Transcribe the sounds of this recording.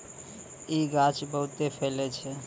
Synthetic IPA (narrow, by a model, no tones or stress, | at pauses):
iɡat͡ʃbəɦut̪epʰelɛt͡ʃʰɛ